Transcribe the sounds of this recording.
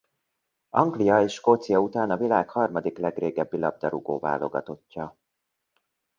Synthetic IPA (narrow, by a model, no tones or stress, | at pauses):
ɒŋɡlijɒeːʃkoːt̪sijɒut̪aːnɒvilaːkhɒrmɒd̪iklɛɡreːɡɛbːilɒb̚d̪ɒɾuɡoːva̰ːlo̞ɡɒ̰t̪o̞cːɒ